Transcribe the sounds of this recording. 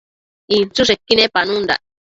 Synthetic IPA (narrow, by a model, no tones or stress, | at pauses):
ilt͡sus̬ekːinepanund̪a̰